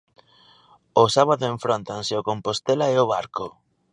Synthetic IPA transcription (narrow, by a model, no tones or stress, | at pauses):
ʊsaβaðʊẽɱfɾont̪anseokompost̪elaeoβaɾko